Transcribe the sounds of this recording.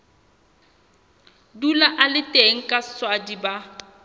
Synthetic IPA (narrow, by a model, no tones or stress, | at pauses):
dulaʔalɪtʼeŋ̩kʼaswadiba